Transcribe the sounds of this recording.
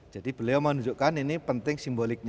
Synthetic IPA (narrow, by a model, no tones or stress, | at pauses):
d͡ʒ̥ad̥ib̥ə̤lejamanud͡ʒuʔkaninipənt̪ɪŋsimbolɪk̚ɲ